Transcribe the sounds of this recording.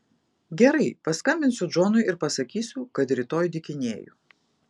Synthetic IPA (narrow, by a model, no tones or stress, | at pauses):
ɡʲɛɾɐɪpɐskɐmʲbʲɪnsʲʊd͡ʒoːnʊɪɪɾpɐsɐkʲiːsʲʊkɐt̪ɾʲɪt̪oːjd̪ʲɪkʲɪnʲeːjṵː